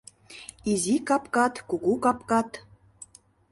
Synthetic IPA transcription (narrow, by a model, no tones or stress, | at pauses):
izikɑpkɑt̪kuɣukɑpkɑt̪